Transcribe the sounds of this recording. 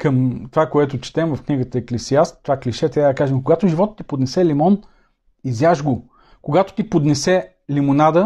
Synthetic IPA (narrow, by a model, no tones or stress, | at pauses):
kəmt̪ovakoɛt̪ʊt͡ʃi̥t̪ɛmvəfkniɡət̪əɛklɛsiast̪ːovakliʃɛt̪ɾʲabəd̪əkaʒɛmkoɡat̪ʊʒivɔt̪t̪ːipod̪nɛsɛlimɔn | izjaʒɡo | koɡat̪o̥t̪ipod̪nɛsɛ | limonad̪ə